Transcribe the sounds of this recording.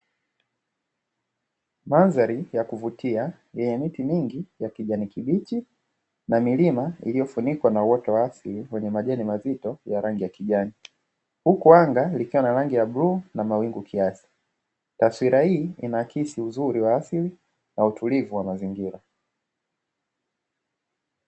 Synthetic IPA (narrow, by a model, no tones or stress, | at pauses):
manzaɾijakuvutia | jɛɲɛmitimiŋɡijakiʄanikiɓit͡ʃi | namilimaḭlijɔfunikwanawɔtɔwaːsiliwɛɲɛmaʄɛnimazitɔjaɾaŋɡijakiʄani | hukuaŋɡalikiwanaɾaŋɡijaɓɾuːnamawiŋɡukʰiasi̥ | taswiɾahiːinakisiuzuɾiwaːsili | nautulivuwamaziŋɡiɾa